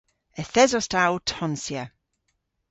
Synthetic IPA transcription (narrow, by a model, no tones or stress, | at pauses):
ɛθɛzɔstawtʰɔnsja